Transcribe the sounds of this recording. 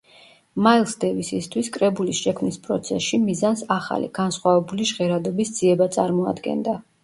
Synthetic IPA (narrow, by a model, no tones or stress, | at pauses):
mailˠsd̪ɛvisist̪ʰwiskʼɾɛbulisʃɛkʰmnispʼɾɔt̪sʰɛ̰sʃimizansaχa̰lḭɡ̥ansχwavɛbuliʒʁɛɾad̪ɔbisd̪z̥iɛbat̪sʼaɾmɔa̰d̪ɡɛ̰nd̪a